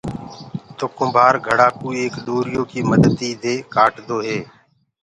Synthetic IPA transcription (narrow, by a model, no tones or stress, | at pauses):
t̪oːkʊ̃mbʱaːɾɡʱəɽaːkuːieːkɗ̪oːɾɪjoːkiːməd̪əd̪iːd̪ʱeːkaːʈd̪oːɦeː